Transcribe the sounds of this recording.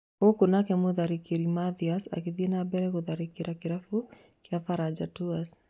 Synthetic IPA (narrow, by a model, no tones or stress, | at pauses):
okʊnakɛmʊðaɾikiɾimaðiasa̰kɪðinabɛɾɛkʊðaɾɪkɪɾʔakɪɾafu | kɪafaɾad͡ʒatuas